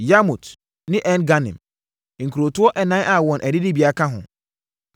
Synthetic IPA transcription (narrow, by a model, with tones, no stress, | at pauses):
ja˦mu˨t | nɪ̃˦ʔɛ̃˦nɡa˦nɪ̰̃˨m | ŋ̩˨kʰu˨ɾo˨tʊ˦ɔ˦ʔɛ˨nã˦ʔa˦˨wɔ̃˨nʔɛ˨dɪ˦dɪ˦bi˨a˨kʰã˦ɦʊ̰̃˨